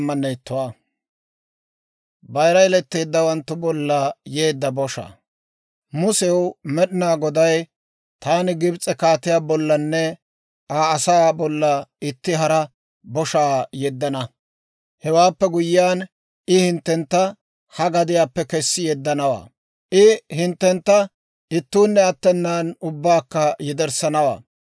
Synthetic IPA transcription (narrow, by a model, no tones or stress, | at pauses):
mːɐnːɛt̪ːʊwaː | bɐjɾɐjlɛt̪ːe̞ːd̪ːɐwɐnt̪ːʊbɔlːɐje̞ːd̪ːɐbɔʃa̰ː | mʊsɛwmɛɗɪnaːɡɔd̪ɐj | t̪aːnɪɡɪbt͡sʼɛkaːt̪ɪjaːbɔlːɐnːɛ | aːsaːbɔlːɐɪt̪ːɪɦɐɾɐ | bɔʃaːjɛd̪ːɐnɐ | hɛwaːpːɛɡʊjɪːaːn | ʔɪhɪnt̪ːɛnt̪ːɐ | hɐɡɐd̪ɪjaːpːɛkɛsːɪjɛd̪ːɐnɐwa̰ː | ʔɪhɪnt̪ːɛnt̪ːɐ | ɪt̪ːuːnːɛɐt̪ːɛnːaːnʊbːaːkːɐjɛd̪ɛɾsɐnɐwa̰ː